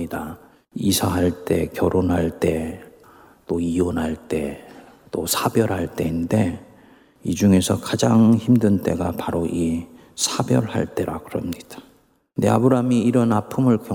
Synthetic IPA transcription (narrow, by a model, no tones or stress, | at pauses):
ida | isʰaɦaɭt͈e̞̰kjʌɾʔonɦaɭt͈e̞ | t͈oionɦaɭt͈e̞ | t͈osʰabjʌɾɦaɭt͈e̞inde̞ | id͡ʑuŋe̞sʰʌkad͡ʑaŋçimdɯnt͈e̞̰ɡapaɾoʔi | sʰabjʌ̰ɭha̰ɭt͈e̞ɾakɯɾʌmɲid̥ḁ | dea̰bɯɾamiːɾʌnapʰɯmɯɭkjʌ